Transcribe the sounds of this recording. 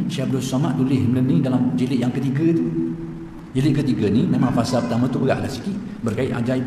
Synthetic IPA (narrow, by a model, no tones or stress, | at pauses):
ʃabdɔsamaʔt̪ulɪhmələnĩdalamd͡ʒilɪʔjaŋkət̪iɡət̪u | d͡ʒilɪʔ̚kət̪iɡənimẽmãŋfasalpərt̪amə̃t̪uəɡa̰ʔlahsikiʔbərkaɪʔ̪a̰d͡ʒai